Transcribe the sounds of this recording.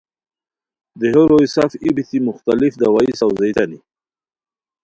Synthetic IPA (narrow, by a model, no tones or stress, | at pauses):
d̪eɦoɾojsafibit̪imʊxt̪alɪfd̪awaisawzajt̪ani